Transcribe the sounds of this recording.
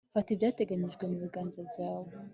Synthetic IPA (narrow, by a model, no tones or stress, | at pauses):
fatibjaːte̞ɡaɲiʒɡwemuɾuɡaːnzabaːwo